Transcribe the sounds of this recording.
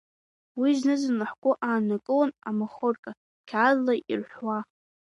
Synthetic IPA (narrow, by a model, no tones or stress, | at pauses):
wiznɨzanɨħkʷʼʊʔaːnakʼɨwanamaχorkʼa | kʲʰazlːaʔḭrħʷwa